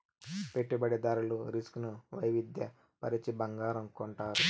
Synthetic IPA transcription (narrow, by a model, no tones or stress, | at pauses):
pe̞ʈːibɐɽed̪ɐɾuluɾisknuʋɐjʋid̪jɐ | pɐɾit͡ʃibɐŋɡaːɾɐmkoɳʈaːɾu